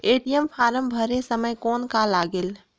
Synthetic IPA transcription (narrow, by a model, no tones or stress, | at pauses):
eʈijəmpʰaːɾəmbʱəɾesəməjkɔːnkalaɡeːl